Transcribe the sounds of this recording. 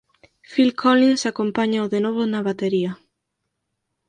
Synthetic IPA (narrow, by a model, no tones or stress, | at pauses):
filkʰolinsakompaɲaoðenɔβʊnɐβat̪eɾiɐ